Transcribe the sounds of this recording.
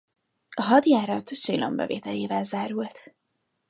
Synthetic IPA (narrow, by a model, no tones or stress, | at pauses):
ɒɦɒd̪jaːɾɒt̪ʃilo̰mbɛ̰vḛːt̪ɛleːvɛlzaːɾult̪